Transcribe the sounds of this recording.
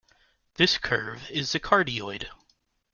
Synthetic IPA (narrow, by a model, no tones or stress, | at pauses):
ðɪskʰɜ̰˞vɪzðɨkʰɑɹɾiɔɪd̥